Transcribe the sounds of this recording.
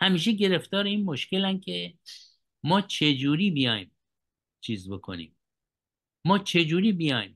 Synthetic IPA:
hæmiːʃ̬eɟe̞ɾe̞ft̪ɒːɾeiːnmoʃkelænkʰe | mɒːt͡ʃʰe̞d͡ʒuːɾiːbijɒ̰ːjm | t͡ʃʰiːzbo̞kʰo̰nḭːmː | ɒːt͡ʃʰe̞d͡ʒuːɾiːbijɒ̰ːjm

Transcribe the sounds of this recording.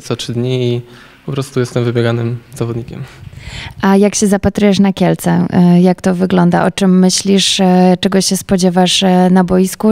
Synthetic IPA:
t̪sɔtʂɘd̪ɲii | pɔpɾɔst̪ujɛst̪ɛmvɘbʲjɛɡanɘmzavɔd̪ɲikʲɛ̰m | ʔajakɕɛzapat̪ɾujɛʂnakʲɛlt̪sɛjakt̪ɔvɘɡlɔnd̪a̰ʔɔt͡ʂɛmːɘɕlʲiʂt͡ʂɛɡɔɕɛspɔd͡ʑɛvaʂnabɔjisku

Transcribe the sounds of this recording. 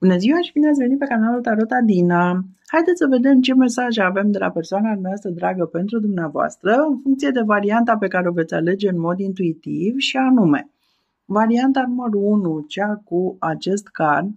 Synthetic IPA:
b̥uneziwaʃibineat̪sʲve̞nitpe̞kanalult̪aɾo̞t̪ad̪inahajd̪et̪sʲsəve̞d̪e̞mt͡ʃe̞me̞saʒeave̞md̪e̞la̰pe̞rsoanad̪umneoast̪ɾəd̪ɾaɡəpe̞nt̪ɾud̪umneavoa̰st̪ɾəɨnfuŋkt̪sije̞d̪e̞vaɾiant̪ape̞kaɾeove̞t̪sʲa̰le̞d͡ʒe̞ɨnmo̞d̪int̪uit̪ivʃianume̞̰ | vaɾiant̪anuməɾuunut͡ʃakuat͡ʃe̞st̪karn

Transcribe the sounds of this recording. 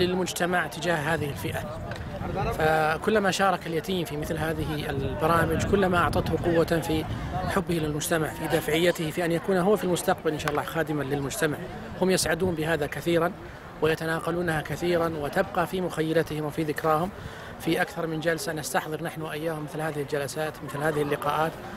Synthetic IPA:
lɪlmʊd͡ʒt̪amaʕt̪ɪd͡ʒaːhɦaːðɪhɪlfɪʔa | fakʊlːamaʃɑːɾˤɑkaljat̪ʰiːmfimɪθlhaːðɪɦɪlbɑɾˤɑːmɪd͡ʒkʊlːamaʔɑʕt̪ˤɑt̪hʊqʊwːafiħʊbːɪhɪlɪlmʊd͡ʒt̪amaʕfid̪aːfʕɪjːat̪ɪhfiʔanjakuːnaɦʊwːfilmʊst̪ɑq̚balʔɪnʃaːʔlːɑːxaːd̪ɪmalɪlmʊd͡ʒt̪amaʕ | hʊmjɪsʕad̪uːmbɪɦaːðakaθiːɾan | wɪjat̪anaːqɑluːnhakaθiːɾanwɪt̪abqɑfimʊxajːalat̪ɪhɪmwɪfiðɪkɾˤɑːhʊm | fiʔakθɑɾˤmɪnd͡ʒalsanast̪aħðˤɨɾnaħnwʔajːaːhʊmːɪθlhaːðɪhɪld͡ʒalasaːt̪mɪθlhaːðɪhɪlːɪqɑːʔaːt̪

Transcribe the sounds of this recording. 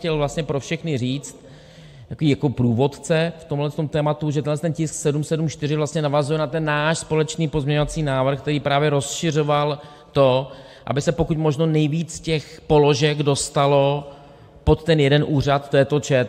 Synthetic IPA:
cɛlvlast̪ɲɛpɾo̞fʃɛxnɪriːt͡st̪ | t̪akoviːjakopɾuːvo̞t̪t͡sɛft̪omɦlɛst̪o̞mt̪ɛːmat̪uʒɛt̪ɛnɦlɛst̪ɛncɪsksɛdumsɛdumʃt̪ɪrɪvlast̪ɲɛnavazujɛnat̪ɛnːaːʃspo̞lɛt͡ʃniːpo̞zmɲɛɲo̞vat͡siːnaːvr̩xkt̪ɛɾiːpɾaːvjɛɾo̞sʃɪr̝o̞val | t̪o̞ | ʔa̰bɪsɛpokucmo̞ʒno̞nɛjviːt͡scɛxpo̞loʒɛɡdo̞st̪alo̞ | po̞t̪ːɛnjɛdɛnʔuːr̝at̪t̪ːɛjɛt̪ot͡ʃɛ

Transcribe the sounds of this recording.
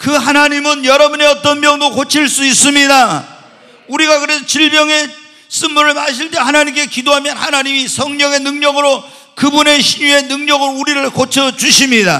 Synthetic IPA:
kɯɦanaɲimɯnjʌɾʌbuneʌt͈ʌnmjʌŋdokot͡ɕʰiɭs͈uis͈ɯmɲida | uɾiɡakɯɾe̞sʰʌt͡ɕiɭbjʌŋe̞ | s͈ɯnmuɾɯɭmaɕʰiɭt͈ehanaɲimk͈e̞kidoɦamjʌnhanaɲimisʰʌŋɲʌŋe̞nɯŋɲʌɡɯɾo | kɯbune̞ɕʰiɲue̞nɯŋɲʌɡɯɾouɾiɾɯɭkot͡ɕʰʌt͡ɕuɕʰimɲida̰

